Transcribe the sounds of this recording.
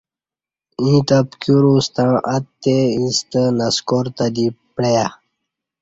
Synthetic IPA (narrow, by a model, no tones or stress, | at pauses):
ĩt̪apkjuɾust̪ãʔat̪ːeĩst̪ənaskoɾt̪ad̪ipɽeja